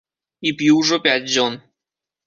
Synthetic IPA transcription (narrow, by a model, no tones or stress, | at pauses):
ipʲjuʐopʲæt̚ʲʑon